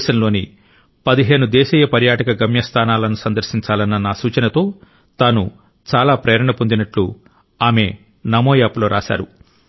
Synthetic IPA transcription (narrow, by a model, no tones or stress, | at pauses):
ʃɐnlo̞ːni | pɐd̪iɦe̞ːnud̪ɛːʃiːjɐpɐɾjaːʈɐkɐɡɐmjɐst̪ʰaːnaːlɐnusɐnd̪ɐɾʃiɲt͡ʃaːlɐnːɐnaːsuːt͡ʃɐnɐt̪o̞ː | t̪aːnu | t͡ʃaːlaːpɾeːɾɐɳɐpond̪inɐʈlu | aːme̞ | nɐmoːjaːploːɾʔa̰ːʃa̰ːɾṵ